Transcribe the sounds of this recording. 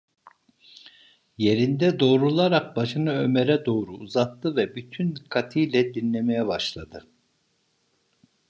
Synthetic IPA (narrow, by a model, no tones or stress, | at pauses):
je̞ɾind̪ɛd̪o̞ːɾulˠaɾak̚baʃɯnaø̞meɾɛd̪o̞ːɾuuzat̪ːɯvɛbyt̪ʰynkʰat̪ʰijlʲɛd̪inlʲemejɛbaʃlˠad̪ɯ